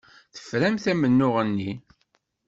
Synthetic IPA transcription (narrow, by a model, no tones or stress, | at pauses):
θə̥fɾæmθæmənːʊʁənːi